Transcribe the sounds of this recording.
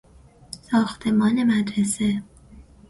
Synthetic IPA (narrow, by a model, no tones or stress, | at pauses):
sɒːxt̪ʰe̞mɒːne̞mæd̪ɾese